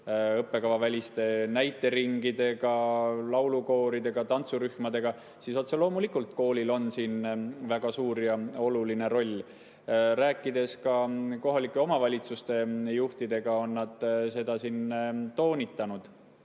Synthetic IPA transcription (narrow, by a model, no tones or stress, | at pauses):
ɤpːe̞kɑvɑvælʲist̪e̞næjt̪ːˑe̞ɾiŋɡid̪e̞ɡ̥ɑlɑwluko̞ːɾid̪e̞ɡ̥ɑt̪ɑnt̪suɾyhmɑd̪e̞ɡ̥ɑ | siso̞t̪selo̞ːmulikːˑult̪̚ko̞ːlʲilo̞nsiːnvæɡ̥ɑsuːɾjɑo̞luline̞ɾo̞lʲː | ɾæːkːˑid̪e̞skɑko̞ɦɑlikːˑe̞o̞mɑvɑlʲit̪sust̪e̞juht̪id̪e̞ɡ̥ɑo̞nːɑd̪̥se̞d̪̥ɑsint̪o̞ːnʲit̪ːˑɑnud̪̥